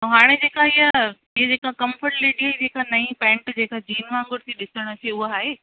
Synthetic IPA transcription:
oɦaːɽ̃ed͡ʑeːkaɪjə | ɪɦed͡ʑeːkakɐ̃mfəɾʈliɗiɦəd͡ʑeːkʰanɐĩpɛ̃ːɳʈd͡ʑeːkad͡ʑiːnʋãːŋɡʊɽɪt̪ʰiɗɪsəɽ̃ət̪ʰieʊɦoaːɦeː

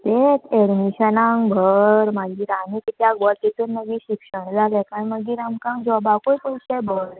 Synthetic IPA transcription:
t̪et̪ɛɽmiɕənãŋbʱəɾmaɡiːɾanikt̪jaɡʋəɾt̪it̪uːnːəɡiɕikʂəɳd͡zalɛ̃kaɽməɡiːɾamkãŋkd͡ʑɔbakojpəjsɛbʱəɾ

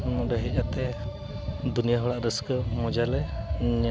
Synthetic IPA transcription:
mɔɾɛɦɛc̚at̪ɛ | d̪unijaɦɔɽaʔɾəskəmɔd͡ʒalɛɲɛ

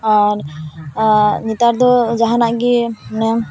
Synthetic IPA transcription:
aɾ | nit̪aɾd̪ɔd͡ʒaɦanaʔɡinɛ

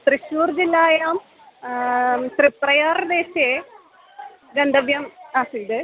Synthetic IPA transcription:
t̪riɕuːrd͡ʑilːaːjaːm | sriprɐjaːrd̪eːɕe | ɡɐnd̪ɐʋjɐmaːsid̪ɨ

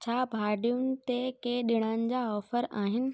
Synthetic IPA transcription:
t͡ɕʰaːbʱaːɖijʊnɪ̆t̪ekeɗɪɽ̃anɪ̆d͡ʑaːɔːfəɾaːɦɪnɪ̆

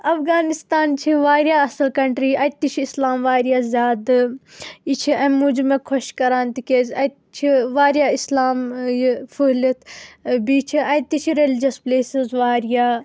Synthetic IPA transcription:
ɐfɣaːnist̪aːnt͡ʃʰiʋaːɾjaɐsɐlkɐɳʈɾiɐt̪it͡ʃʰiːslaːmʋaːɾijazʲjaːd̪ | it͡ʃʰiɐ̃mud͡ʒmẽkʰoʃkɐɾaːnt̪ikeːzɐt̪t͡ʃʰiʋaːɾijaːislaːmjfulɐt̪ʰbiːt͡ʃʰiɐjt̪it͡ʃʰiɾelid͡ʒɐspleːsizʋaːɾijaː

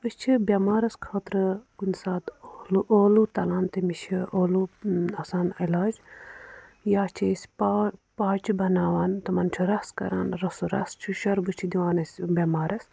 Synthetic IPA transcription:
əst͡ʃʰibʲɐmaːɾɐskʰaːt̪ɾɨkunʲsaːt̪ːlʔoːlut̪ɐlaːnt̪ɐmiʃʰioːluɐsaːnilaːd͡ʒ | jaːt͡ʃʰisʲpːpaːt͡ʃʰibɐnaːʋaːnt̪ɐmɐnt͡ʃʰuɾɐskɐ̰ɾaːnɾɐsuɾɐ̰st͡ʃʰuʃɐɾbɨt͡ʃʰid̪iʋaːnɐsʲbʲɐmaːɾɐs

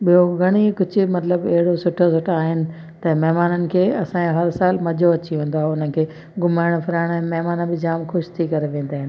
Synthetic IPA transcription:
ɓijoɡʱɐɽ̃ikʊd͡ʑʱʊ̆mɐt̪ləbɐɦɪɽosʊʈʰosʊʈʰaːɦɪnɪ̆ | t̪ɐmɐɦmaːnənɪ̆kʰeːɐsãɦɐɾsaːlmɐd͡ʑʱoɐt͡ɕiɦũːn̆d̪oaɦeʊnəɪ̆kʰeː | ɡʊmaːɪɽ̃pʰɪɾaːɪɽ̃ɛ̃ːmɐɦmaːnãbɪd͡ʑaːmxʊʃt̪ʰikɐɾeʋẽːn̆d̪aːɦɪnɪ̆

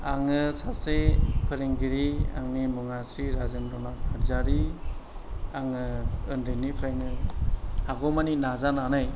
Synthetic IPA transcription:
aŋɯsasepʰɯɾeŋɡiɾia̰ŋnimɯŋasɾiɾazɯndɔnabaɾzaɾi | aŋɯɯnɾenipʰɾeŋɯ | haɡɔmaninazananɯj

